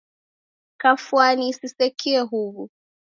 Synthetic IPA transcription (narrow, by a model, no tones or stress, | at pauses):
kafuanisisɛkiɛɦuβu